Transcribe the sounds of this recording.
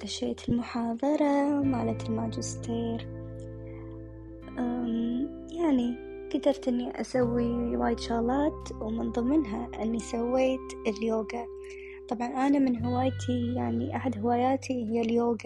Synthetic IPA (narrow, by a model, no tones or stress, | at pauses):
t̪aʃeːt̪ʰɪlmʊħɑːðˤɑɾˤɑmaːlat̪ɪlmaːd͡ʒɪst̪ʰeːɾ | ʔaːm | jaʕni | ɡ̥ad̪ɑɾˤt̪ʔɪnːiʔa̰sawːiwaːjɪd̪ʃɑɣlɑːt̪wmɪnðˤɨmːɪnɦaʔɪnːisawːeːt̪ | ɪljoːɡa | t̪ˤɑbʕɑnʔaːnamɪnɦɪwaːjt̪ʰijaʕniʔaħad̪hɪwaːjaːt̪ʰiɪjːaljoːɡa